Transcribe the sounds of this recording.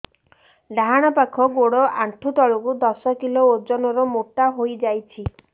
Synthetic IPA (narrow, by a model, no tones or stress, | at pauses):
ɖʱaɦaɽ̃ɔpakʰɔɡoɽɔʔaɳʈʰut̪ɔɭɔkud̪ɔsɔkilood͡ʒɔnɔɾɔmoʈaɦojd͡ʒajt͡ʃʰi